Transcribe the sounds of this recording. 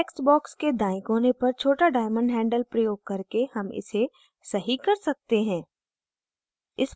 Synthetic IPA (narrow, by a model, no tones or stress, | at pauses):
ksbɔːksked̪aːɪkɦoːnepɐɾt͡ʃʰoːʈaɖaːɪmə̃ɳɖɦɛ̃ːɳɖəlpɾɐjoːɡ̚kɐɾkehɐmɪ̰se | sɐɦikɐɾsɐk̚t̪eɦɛ̃ː | ɪs